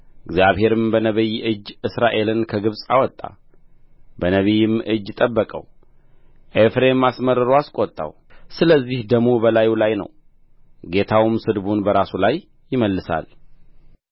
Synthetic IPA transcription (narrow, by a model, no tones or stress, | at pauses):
ʔɪɡzjaβhe̞ɾɨmbənəβijʔɨd͡ʒɨsɾaʔe̞lɨnkʰəɡɨβsʼa̰wɔt̪ʼːa̰ | bənəβijɪmʔɨd͡ʒːɪt̪ʼəbːəkʼə̰w | ʔefɾe̞mːasməɾːɨɾowaskʼot̪ʼːa̰w | sɨləzːihd̪əmubəlajulajnə̰w | ɡe̞t̪ʰawmsɨd̪bunbəɾasulajː | ɪməlːɨsa̰l